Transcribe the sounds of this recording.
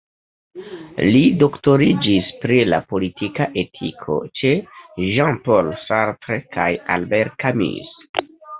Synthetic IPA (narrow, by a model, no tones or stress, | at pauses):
lido̞kto̞ɾid͡ʒispɾila̰po̞litʰikaʔe̞tʰikʰo̞̰t͡ʃe̞ʒãnpolsaɾtɾekʰaja̰lbeɾt̚kamḭs